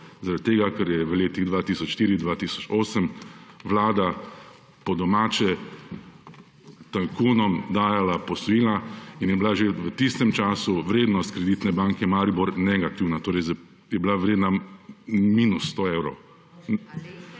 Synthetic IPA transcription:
zaɾad̪̚t̪eːɡakɛɾjɛʋəleːt̪iɣd̪ʋaːt̪isɔt͡ʃʃt̪iːɾid̪ʋaːt̪isɔ̥t͡ʃoːsəmʋlaːd̪a | pɔd̪ɔmaːt͡ʃɛ | t̪aŋkuːnɔmd̪aːjalapɔsɔjiːlainjɛbilaʒeʋət̪ist̪ɛmt͡ʃaːsuʋɾeːd̪nɔst̪̚kɾɛd̪it̪nɛbaŋkɛmaːɾibuɾnɛɡat̪iwnat̪oːɾɛjz | jɛbilaʋɾeːd̪na | miːnusːt̪oewɾɔw

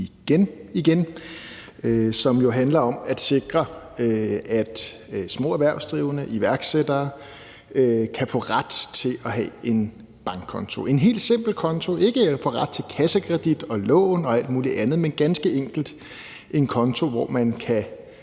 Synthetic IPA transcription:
iɡ̥eniɡ̥en | øsɒ̽mjo̝ɦænlɐɒ̽mæd̥se̝ɡ̥ʁɐøæd̥ | smɔ̰̽ːæʋæɐʊsd̥ʁiʊənəʔiʋæɐɡ̥sed̥ɐː | økʰæfɔ̰̽ːʁad̥t͡sʰe̝lʔɒɦɛe̝n | b̥ɑ̈ŋɡ̥̚ʰɒ̽nt͡sʰo̝ʔe̝nɦe̝̰ːld̥se̝m̰b̥l̩kʰɒ̽nt͡sʰo̝ʔe̝ɡ̥əfɒʁad̥̚t͡sʰe̝kʰæsəkʰʁɛd̥id̥ɒ̽lɔ̰ːʊnɒ̽æl̰d̥muːliʔænð̩ˠmenɡ̥ænsɡ̥əeŋ̰ɡ̥l̩d̥ | ʔe̝nkʰɒ̽nt͡sʰo̝ʋɒ̰mænkʰæ

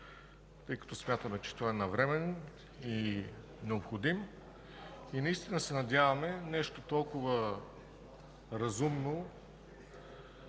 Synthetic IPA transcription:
t̪ɤjkɐ̥t̪osmʲjat̪əmɛt͡ʃɛ̥t̪oaɛnɐvɾɛmɛn | i | nɛopxod̪im | inɐist̪inəsɛnɐd̪ʲjavɐmɛnɛʃt̪ot̪ɔlˠkʊvə | ɾɐzumno

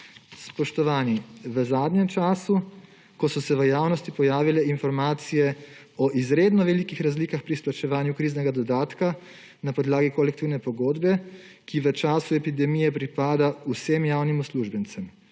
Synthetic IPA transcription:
spɔʃt̪ɔʋaːniʋəzaːd̪ɲjɛmt͡ʃaːsu | kɔsɔsɛʋəjaːwnɔst̪ipɔjaːʋilɛinfɔɾmaːt̪sijɛ | ɔʔizɾeːd̪nɔʋɛlikixɾazliːkaxpɾisplat͡ʃɛʋaːnjukɾiːznɛɡad̪ɔd̪aːt̪ka | napɔd̪laːɡikɔlɛkt̪iːwnɛpɔɡoːd̪bɛ | kiʋət͡ʃaːsuɛpid̪ɛmijɛpɾipaːd̪ausemjaːwnimusluʒbənt̪sɛm

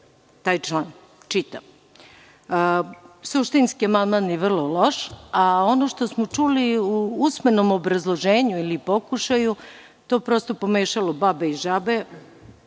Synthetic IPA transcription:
t̪aːjt͡ʃlˠan | t͡ʃit̪am | suʃt̪inskiamand̪maːnjeʋr̩lˠo̞lo̞ʃao̞noʃt̪o̞smot͡ʂuliuusmeno̞mobɾazlˠo̞ʒeːɲuilipo̞kuʃaju | t̪o̞pɾost̪o̞po̞meːʃalobabeiʒabe̞

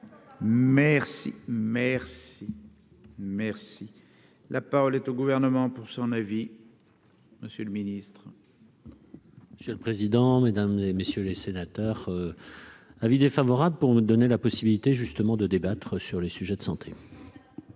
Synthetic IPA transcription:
mɛʁsḭmɛʁsi | mɛʁsi | lʔapaʁɔlɛt̪oɡuvɛʁnəmɑ̃puʁsɔ̃navi | məsjələminist̪χ | məsjøləpχezid̪ɑ̃med̪amzemesjølesenat̪œʁø | avid̪efavɔʁabləpuʁməd̪ɔnelapɔsibilit̪eʒyst̪əmɑ̃d̪əd̪ebat̪χəsyʁlesyʒɛd̪ə̥sɑ̃t̪ʰe

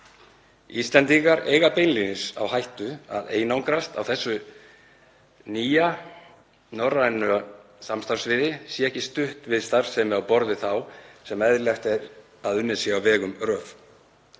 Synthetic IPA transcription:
ist̪lɛnt̪iŋkaɾḛːjɣapejnlinɪsa̰wɦajht̪ʏa̰ðḛːjnawŋkɾast̪a̰wθɛsːʏ | niːja | nɔranʏa | samst̪aɾsvɪːðɪsjɛɛhcɪst̪ʏht̪vɪðst̪aɾ̥sɛmɪawpɔɾðʏθawsɛmɛðlɛxt̪ɛɾ | aðʏnːɪsiawvɛːɣʏmrɾœːf

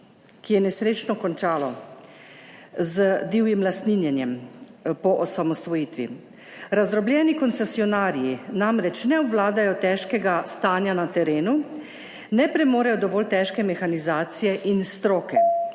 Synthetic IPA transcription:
kijɛnɛsɾeːt͡ʃnɔkɔnt͡ʃaːlɔ | zəd̪iːwjimlast̪ninjɛnjɛmpɔʔɔsamɔst̪ʋɔjiːt̪ʋḭ | ɾazd̪ɾɔbljɛːnikɔnt̪sɛsiɔnaːɾijinamɾɛt͡ʃnɛɔbʋlaːd̪ajɔt̪ɛːʃkɛɡast̪aːnjanat̪ɛɾeːnu | nɛpɾɛmoːɾɛjɔd̪ɔʋɔːlt̪ɛːʃkɛmɛxanizaːt̪sijɛʔinst̪ɾoːkɛ

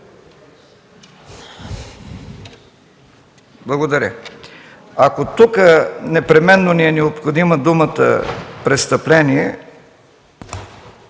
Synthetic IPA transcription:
blˠɐɡod̪ɐɾʲə | akot̪ukənɛpɾɛmɛnːoniɛnɛopxod̪iməd̪umət̪ə̰pɾɛst̪əplɛniɛ

